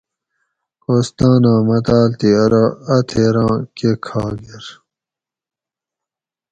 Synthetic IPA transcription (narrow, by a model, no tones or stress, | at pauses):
ost̪ãːnãːmɐt̪aːlt̪iɐɾaɐt̪ʰeːɾãːkekʰaːɡeɾ